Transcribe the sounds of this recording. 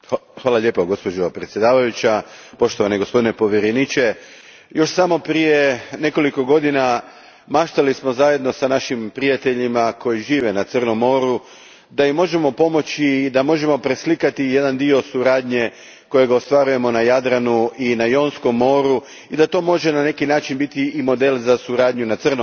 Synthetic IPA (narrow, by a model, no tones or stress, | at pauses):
xʋaːlˠaʎe̞poɡo̞spod͡ʒopɾet̪sje̞d̪aːʋajut͡ɕapo̞ʃt̪o̞ʋaneɡospo̞d̪ine̞po̞ʋjeɾenit͡ʃe̞ | jo̞ʃsamo̞pɾijene̞ko̞liko̞ɡo̞d̪ina | maʃt̪alismo̞zaje̞d̪no̞sanaʃimpɾijat̪e̞ʎimako̞jiʒiːʋe̞nat̪sr̩no̞mːo̞ɾu | d̪ajimːo̞ʒe̞mo̞po̞mo̞t͡ɕid̪amo̞ʒe̞mo̞pɾe̞slikat̪ije̞d̪and̪io̞suɾaːd̪ɲe̞ | ko̞je̞ɡaost̪ʋaɾuje̞mo̞najad̪ɾanuʔinajoːnsko̞mːo̞ːɾu | id̪at̪o̞ːmo̞ʒe̞nane̞kinaːt͡ʃinbit̪iːmo̞d̪e̞lzasuɾaːd̪ɲunat̪sərno